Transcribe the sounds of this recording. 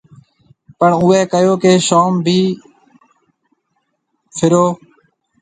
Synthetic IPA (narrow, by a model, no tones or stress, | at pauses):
pəɳuːeːkəjoːkeːʃaːmbʱiː | fʰɪɾoː